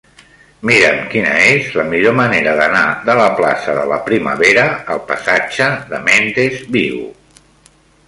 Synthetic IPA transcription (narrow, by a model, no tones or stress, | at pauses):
miɾəmkinə̰ezləmiʎoməneɾəðənaðələpla̰səðələpɾimə̰βeɾəəlˠpəsad͡ʒəðəmend̪ezβiw